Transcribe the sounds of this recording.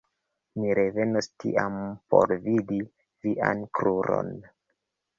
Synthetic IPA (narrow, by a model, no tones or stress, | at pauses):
miɾe̞ve̞nostḭʔampo̞̰ɾvidi | viʔankɾuɾo̰n